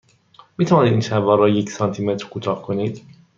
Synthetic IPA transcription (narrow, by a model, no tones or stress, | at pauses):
miːt̪ʰævɒːnid̪inʃævɒːɾːɒːjecʰsɒːnt̪ʰiːmet̪ɾkʰot̪ʰɒːhkʰoniːd̪̥